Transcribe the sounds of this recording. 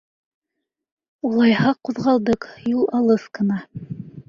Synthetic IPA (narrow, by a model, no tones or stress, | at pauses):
ulˠɑjhɑquðʁɑlˠd̪ɤqjulˠɑlˠɤskɤ̆nɑ